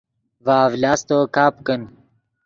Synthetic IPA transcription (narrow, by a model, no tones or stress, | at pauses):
vaːvlaːst̪okaːpkɐn